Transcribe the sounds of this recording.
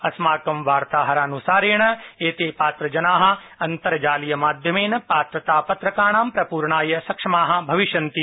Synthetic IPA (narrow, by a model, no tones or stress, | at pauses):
ɐsmaːkɐmʋaːɾt̪aːɦɐɾaːnusaːɾeːɳɐeːt̪eːpaːt̪ɾɐd͡ʒɐnaːɦɐ̆ | ɐnt̪ɐɾɐd͡ʒaːlijɐmaːd̪ʱjɐmeːnɐpaːt̪ɾɐt̪aːpɐt̪ɾɐkaːɳ̃aːmpɾɐpuːɾɳaːjɐsɐkʂɐmaːɦɐ̆bʱɐʋiʃɐnt̪i